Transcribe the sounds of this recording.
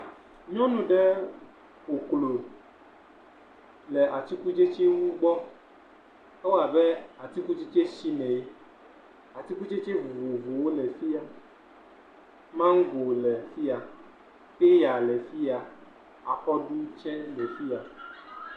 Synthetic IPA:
ɲɔ̃˦nũ˨ɖɛ˦ | o˨klo˨ | lɛ˨ʔa˨t̪i˦ku˦d͡ʒe˦t͡ʃe˦wu˦ɡ͡bɔ˦ | ɛ˦wa˨bɛ˦a˨t̪i˦ku˦t͡ʃe˦t͡ʃe˦ʃi˦mɛ̃˨je˦ | a˨t̪i˦ku˦t͡ʃe˦t͡ʃe˦vu˨vo˨vo˨wo˦lɛ˨fi˦a˨ | mã˦ŋ̩˦ɡo˨lɛ˨fi˦a˨ | ke˦ja˨lɛ˨fi˦a˨ | a̰˨xɔ˦ɖu˦t͡ʃɛ˦lɛ˨fi˦a˨

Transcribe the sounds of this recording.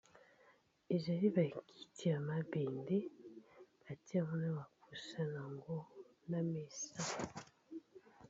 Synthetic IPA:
e˨ʒa˨ɾi˦βa˨ki̥˨tʰi˦a˨ma˨be˨nde˦ | βa˨ti˦a˦˨mo˦na˦βa˨ku˨sa˦na˨ŋɡo˦ | na˦me˨sa˦

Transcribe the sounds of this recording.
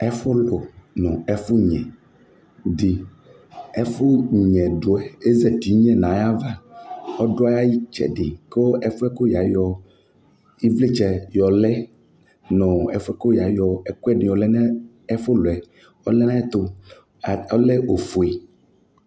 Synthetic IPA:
ɛ˦fo˦lo˨nɔ̃˨ɛ˦fo˦ɲɛ̰̃˨ | di˨ | ɛ˦fo˦ɲɛ̃˨ɖo˨ɛ˨e˦zɛ˨t̪i˨˦ɲɛ̃˦nã˨˦ja˦va˦ɔ˦ɖo˦a˦ja˦ji˦t͡ʃɛ̰˦ɖi˨ko˦ɛ˦fo˦ɛ˦ko˦ja˨jɔ˦ | i˦vle˦t͡ʃɛ˨jɔ˨lɛ˦ | nɔ̃˨ɛ˨fo˦ɛ˦ko˦ja˨jɔ˨ɛ˨ku˦ɛ˦nĩ˨jɔ˨lɛ˦n˦ | ɛ˦fo˦lo˨ɛ˨ | ɔ˦lɛ˦nã˦ɛ˦t̪o˦ | a˨ɔ˦lɛ˦o˨fo˨e˨

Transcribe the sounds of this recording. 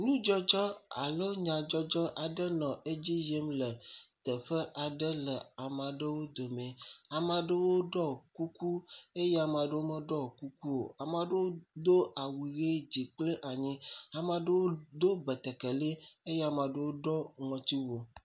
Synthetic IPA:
nũ˦d͡ʒɔ˦d͡ʒɔ˦a̰˨le˦ɲã˨d͡ʒɔ˦d͡ʒɔ˦ʔa˨ɖə˦nɔ̃˨e˦d͡ʑi˦je˦mlə˨t̪ə˨ɸə˦ʔa˨ɖə˦lə˨a˨mã˨ɖə˦wo˦d̪o˨mẽ˨a˨mã˨ɖə˦wo˦ɖɔ˦ku˦ku˦e˦ja˨mã˨ɖə˦wo˦mə˦ɖɔ˦˨ku˦ku˦wo˨a˨mã˨ɖə˦wo˦d̪o˦a˨wi˨ɣe˦d͡ʑi˨k͡plə˦ʔa˨ɲĩ˦a˨mã˨ɖə˦wo˦d̪o˦bɛ˨t̪ɛ˨ke˨li˦e˦ja˨mã˨ɖə˦wo˦ɖɔ˦ŋɔ̃˨t̪i˦wo˨

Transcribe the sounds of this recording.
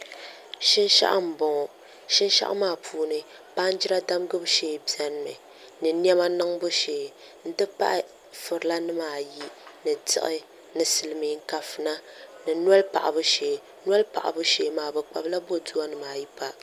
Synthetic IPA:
ʃɪ˦nʃa̰˦ʔa̰˦˨m̩˨bɔ˨ŋɔ˨ | ʃɪ˦nʃa̰˦ʔa̰˦maː˦˨pʰuː˦nɨ˨ | pa˦n˦d͡ʒi˦a˦da˦m˦ɡɨ˦bʃeː˦bi˨ɛ˦n˦˨mɨ˨ | nɨ˨n˦ɛ˦ma˦nɨ˦ŋbo˦ʃeː˨ | n̩˦dɨ˦pa̰˦ʔɪ˦ | fʊ˨ɾɨ˨la˦nɨ˦maː˨ji˦nɨ˨tɪ̰˦ʔɪ˦ | nɨ˨sɨ˨lɨ˨mi˨˦ŋ̩˦ka˨fɨ˨na˦nɨ˨n˦a˦lpa̰˨ʔa˨bʊ˦ʃeː˨ | nwa˦lpa̰˨ʔa̰˨bʊ˦ʃeː˨˦maː˨bɨ˨k͡pa̰˨bla˦bo˦tu˦a˦nɨ˨maː˨ji˦pa˨

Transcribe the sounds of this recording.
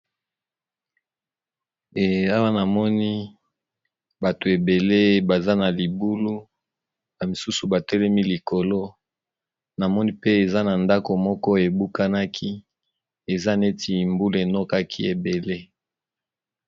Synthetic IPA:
e˨a˦wa˦na˨mɔ˦ni˦ | ba˨to˨e˨be˨le˦ba˨za˦na˨li˨bu˦lu˦ | ba˨mi˨su˦su˨ba˨tɛ˦lɛ˦mi˦li˨ko˨lo˦ | na˨mɔ˦ni˦pe˦e˨za˦na˨nda˦ko˨mɔ˦kɔ˦e˨bu˦ka˦na˦kʰi˦ | e˨za˦ne˦tʰi˨mbu˦le˨nɔ˦ka˦kʰi˦e˨be˨le˦

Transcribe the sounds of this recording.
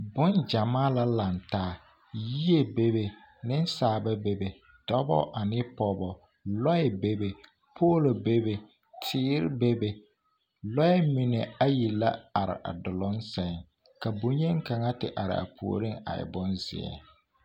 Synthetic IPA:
bʊ˦nd͡ʒa˨maː˦la˦la˨ntaː˦˨ | ji˦e˨be˦be˨ | nɪ˦n˦saː˨ba˦be˨be˨ | d̥ɔ˦bɔ̰˦ʔa˨nɪ˦pɔ˨bɔ˨ | lɔ˦ɛ˨be˦be˨ | pʰoː˦lo˨be˦be˨ | tʰɪː˦ɾɪ˦be˦be˨ | lɔ˦ɛ˦mɪ˨ne˨a˦ji˨la˦a˨ɾɪ̰˨ʔa̰˨dʊ˨lʊ˦nsɛ˨ŋ | ka˨bo˨ɲe˦ŋ˦ka˨ŋa˦tɪ̰˨ʔa̰˨ɾɪ̰˨a̰˨pʰṵ˨o̰˨ɾi˦ŋa̰˨ɪ̰˨bʊ˦nzɪ̰˨ɛ̰˨

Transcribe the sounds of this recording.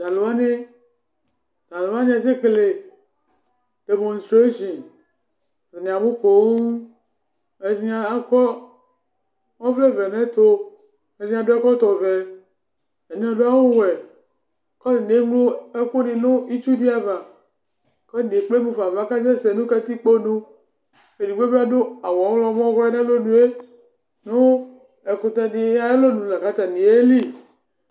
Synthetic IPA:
da˨lo˨a˦ne˦ | da˨lo˨a˦nĩ˦a˨s̬e˦kle˨ | de˨mõ˨nstɾe˦ʃi˨n˨ | ve˨ñ˨a˨bu˦ko˨w | e˨ɾĩ˦a˨a˦kɔ˦ | mɔ̃˦vle˦vɛ˨nɛ̃˦t̪o˦ | e˨ɾĩ˦ã˨do˦ɛ˦kɔ˦t̪ɔ˨vɛ˨ | e˨nĩ˨˦a˨ɖo˦a˦wo˦wɛ˨ | kɔ˦˨n˨e˨˦ɡ͡blo˦e˦ko˦ni˨nʊ̃˦i˦t͡ʃu˦di˦a˨va˨ | ke˦ni˨k͡ple˦mũ˨va˨va˦ka˦d͡ʒɛ˦sɛ˨nũ˦ka˦t̪i˦k͡po˦nũ˦ | e˨di˨ɡ͡be˦be˦a˦do˦a˨wɔ˨˦lɔ˦mɔ̃˦ɣɛ˦nɛ̃˦lo˦nũ˨e˦ | nʊ̃˦ | ɛ˨ko˨t̪ɛ˨ni˨˦a˦e˦lo˦nũ˨la˨ka˦t̪a˨nĩ˨e˦li˦

